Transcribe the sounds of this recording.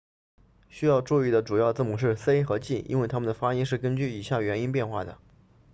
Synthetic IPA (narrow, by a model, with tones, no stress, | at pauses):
ɕy˥jɑ˥˧ʊʈ͡ʂu˥˧i˥˩d̪ə˩ʈ͡ʂu˨˩jɑ˥˧ʊt͡sɹ̩˥˩mu˨˩ʂ̬ɻ̩˥˩se˥ɪxɤ˧˥t͡ɕi˥˩ʔḭ˥nwe˥˩ɪt̪ʰa˥mə˨nd̪ə˩fa˥i˥ʂɻ̩˥˩kə˥nt͡ɕy˥˩i˨˩ɕjɑ˥˩ŋɥɛ˧˥ni˥np̬jɛ˥˧nxwa̰˥˩d̪ə̰˩